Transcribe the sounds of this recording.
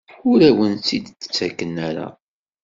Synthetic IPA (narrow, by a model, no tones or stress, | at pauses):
ʊɾæwənt͡sːid̪t͡sːə̥t͡sːækːənːæɾa̰